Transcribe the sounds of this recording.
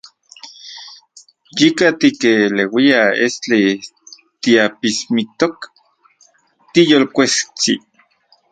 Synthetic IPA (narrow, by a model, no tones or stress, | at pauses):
jikat̪ikelewiaest͡ɬi | t̪iapismit̪ok | t̪ijolkʷest͡sḭ